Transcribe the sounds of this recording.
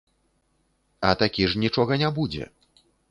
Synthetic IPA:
ɐt̪akʲiʐnʲit͡ʂɔɣɐnʲabud͡zʲɛ̰

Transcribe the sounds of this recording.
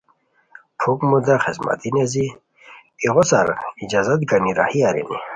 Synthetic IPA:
pʰukmud̪aχezma̰t̪inezi | iʁɔsaɾid͡ʑazat̪ɡaniɾahiaɾḭni

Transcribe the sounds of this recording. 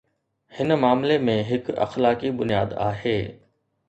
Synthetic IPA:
hɪnmaːmlemẽɦɪkɐ̰xlaːkibʊnija̰ːd̪a̰ːɦeː

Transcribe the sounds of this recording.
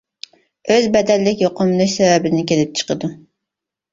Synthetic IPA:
øzbɛd̪ɛlːɪkʲjoqʊmlˠɨʃsɛvɛbɪnɪkʲelɪp̚t͡ʃʰə̥qʰəd̪u

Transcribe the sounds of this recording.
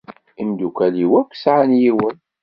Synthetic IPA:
imd̪ukʷæliwækʷːsʕanjiwən

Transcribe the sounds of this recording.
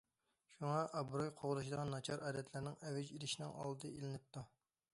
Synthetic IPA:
ʃuŋɑʔɑbɾojqʰoʁlɨʃ̬id̪əʁɑnːɑt͡ʃʰɑɾʔɑːd̪ɛt̪ʰlɪɾnɪŋɛvɛd͡ʒiɾɪʃinɪ̰ŋɑ̰lˠd̪ɨelɪnɪp̚t̪ʰu

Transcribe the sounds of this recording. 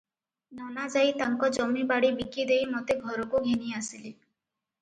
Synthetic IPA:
nɔnad͡ʒajt̪aŋkɔd͡ʒɔmibaɽibikid̪ejmot̪eɡʱɔɾɔkuɡʱeniasili

